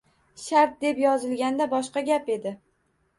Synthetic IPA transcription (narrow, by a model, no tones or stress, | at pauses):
ʃaɾt̪̚d̪e̞pjɒzɪlɡʲand̪abɒʃqɑɡʲape̞d̪ɪ